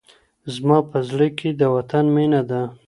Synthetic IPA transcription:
zmɑpəzɽəkʰed̪əwat̪anmenad̪a

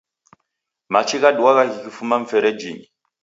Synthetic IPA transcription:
mat͡ʃʰikaduwaɣaɣikifumaɱ̩fɛɾɛd͡ʒini

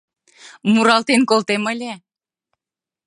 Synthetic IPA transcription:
muɾɑlt̪enkolt̪eməlʲe

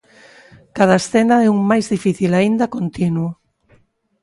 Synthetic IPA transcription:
kað̞ɐesθɛnɐɛuŋmajzðifiθilaind̪ɐkont̪inwʊ

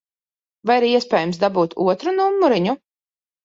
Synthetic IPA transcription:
vajiɾiɛsʲpʲɛːjumsd̪abuːt̪ʰṵɔt̪ɾunumːuɾiɲu

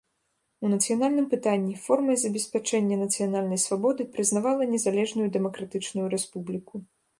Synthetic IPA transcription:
unɐt̪sɨjanalʲnɨmpɨt̪anʲːifɔrmɐjzɐbʲɛsʲpʲat͡ʂɛnʲːɐnɐt̪sɨjanalʲnɐjsvabɔd̪ɨpɾɨznavalˠɐnʲɛzalʲɛʐnujud̪ɛmɐkɾat̪ɨt͡ʂnujuɾɛspublʲiku

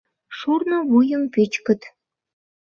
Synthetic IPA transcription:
ʃurnoβujə̆mpet͡ɕkə̆t̪

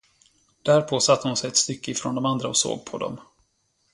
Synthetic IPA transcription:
d̪̥æɾpʰosat̪ʰːəhʊnsɛjɛt̪st̪ʏkːəɪfɾɔnd̪ɔmand̪ɾaɔso̰ːɡ̚pʰɔd̪ɔ̰m

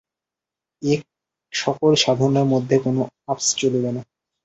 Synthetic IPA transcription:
ek̚ | ʃɔkoɾʃad̪ʱaɾoneɾmod̪ʱːekonoapst͡ɕolibena

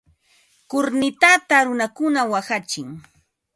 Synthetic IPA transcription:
kʊɾnɪt̪at̪aɾʊnakʊnawaxat͡ʃɪŋ

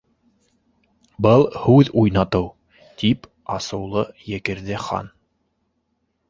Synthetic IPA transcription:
bɤlˠhʉðujnɑt̪ɤw | t̪ip | ɑsɤ̆wlˠɤjɘ̆kɘ̆ɾðɘχɑ̰n

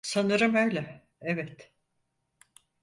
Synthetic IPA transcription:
sanɯɾɯmø̞jlʲɛ | ɛvɛt̪

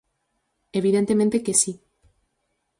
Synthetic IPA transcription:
eβ̞iðent̪ement̪ekesi

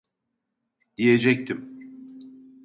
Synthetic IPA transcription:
d̪̥ije̞d͡ʒɛc̚t̪ʰim

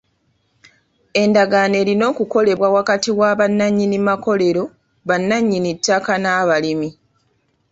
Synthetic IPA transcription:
e̞ndaɡane̞ːlino̞ːkuko̞le̞βwawakatiwaβanːaɲːinimako̞le̞ɾo̞ | βanːaɲːinitːakanaːβalimi

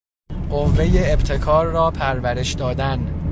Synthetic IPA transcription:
ɢovːe̞je̞ːbt̪ʰe̞kʰɒːɾːɒːpʰæɾvæɾe̞ʃd̪ɒːd̪æn

